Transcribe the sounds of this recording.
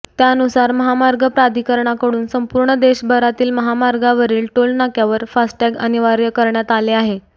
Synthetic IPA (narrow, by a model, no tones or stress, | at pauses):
t̪jaənusaɾməɦamaɾɡəpɾad̪ʱikəɾɳakəɽuːnsəmpuɾɳəd̪eɕbʱəɾat̪iːlməɦamaɾɡaʋəɾiːlʈolnakjaʋəɾfasʈɛɡəniʋaɾjəkəɾɳjat̪aleaɦe